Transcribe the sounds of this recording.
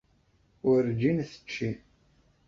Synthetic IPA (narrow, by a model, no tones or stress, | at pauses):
ʊɾd͡ʒinθə̥t͡ʃːi